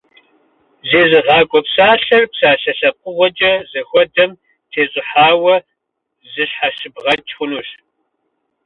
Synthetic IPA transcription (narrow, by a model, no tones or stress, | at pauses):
zeːzɨʁɑːkʷʼɔpsaːɬɐrpsaːɬɐɬɐqʷʼʊʁʷɔd͡ʒʼɐzɐxʷɔdɐm | tʰeːɕʼɪħaːwɐ | zɨɕħaʃɨbʁɐt͡ʃʼxʷʊnuːɕ